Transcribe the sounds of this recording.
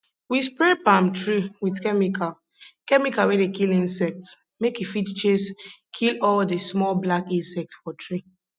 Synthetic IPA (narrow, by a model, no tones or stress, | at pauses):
wispɹɛpãmtɹiwidkɛmikʰal | kɛmikawedekilĩnsɛk̚t | mekifitt͡ʃeskʰilɔldesmɔlblakĩnsɛk̚tsfɔtʰɹi